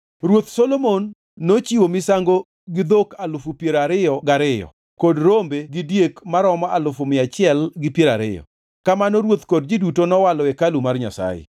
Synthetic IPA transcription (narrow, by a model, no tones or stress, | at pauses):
ɾwot̪solomonː | ot͡ʃiwomɪsaŋɡo | ɡɪd̪okalʊfupjeɾaɾɪjɔɡaɾɪjɔ̰ | kodɾombeɡɪdjekmaɾɔmɔalʊfumɪat͡ʃɪɛlɡɪpjeɾaɾɪ̰jɔ̰ | kamanɔɾwot̪kod̚d͡ʒidutonɔwalɔɛkalumarɲa̰sa̰jɪ̰